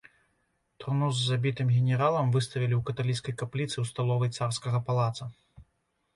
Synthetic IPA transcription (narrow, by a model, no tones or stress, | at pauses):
t̪rnuzːabʲit̪ɨmɣʲɛnʲɛɾalˠɐmvɨst̪ɐvʲilʲiwkɐt̪alʲit̪skɐjkaplʲit̪sɨwst̪alˠɔvɐjt̪sarskɐɣɐpalˠat̪sɐ